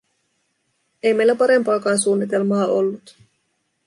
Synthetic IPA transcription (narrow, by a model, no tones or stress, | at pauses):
ejme̞jlːæpɑɾe̞mpɑːkɑːnsuːnːit̪̬e̞lmɑːʔo̰lːut̪